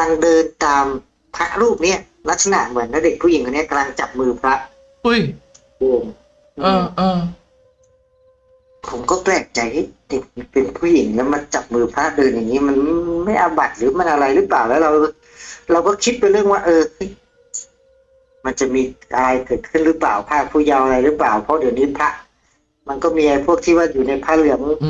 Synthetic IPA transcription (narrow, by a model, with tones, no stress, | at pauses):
ala˧ŋdɤː˧nt̪aː˧m | pʰɾa˦˥ʔɾuː˥˩p̚ni˦˥ɐ | la˦˥t̪̚sa˧na̰˨˩ʔmɯ˩˦nːaː˦˥˧de˨˩k̚pʰu˥˩˨i˩˦ŋʰkʰɔ˧ni˥ɐ˩ka˧la˧ŋt͡ɕa˨˩p̚mɯː˧pʰɾa˦˥ʔ | u˦˥j | oː˧ŋ | ʔɯː˧˩ʔɤː˧ | pʰo˩˦mkɔː˥˩klɛː˨˩k̚t͡ɕa˧jha˥˩jde˨˩k̚pe˧npʰuː˥˩ji˩˦ŋlɛː˦˥wma˧nt͡ɕa˨˩p̚mɯː˧pʰɾa˦˥ʔdɤː˧nja˨˩ŋːiː˦˥ma˧nma˥˩jʔa˧ba˨˩t̪̚lɯː˨˦ma˧˥˨nʔa˧ɾa˧jlɯː˦˥paː˨˩wlɛː˦˧˥wɾa˧w | ɾa˧wkɔː˥˩kʰi˦˥t̪̚pjɾɯ˥˩əŋwaː˧˩ʔɤː˧hɤ˦˥˩j | ma˧nt͡ɕa˨˩miː˧ʔa˧ɾa˧jkɤː˨˩t̪̚kʰɯ˥˩˨nɾɯː˦˥plaː˨˩wpʰaː˧˥˩k̚pʰuː˧˩ja˧wʔa˧ɾa˧jlɯː˦˥plaː˨˩wpʰɔ˧˦di˨˩˦nɯː˧˥pʰa˦˥ʔ | ma˧nkɔː˥˩miː˧ʔa˧jpʰu˥˩ək̚t̪ʰiː˧˩waː˧˩juː˨˩na˧jpʰaː˧˥˩lɯ˧˩əŋ